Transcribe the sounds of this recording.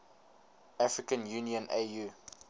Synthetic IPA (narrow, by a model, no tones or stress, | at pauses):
afɹikə̃njuniə̃neju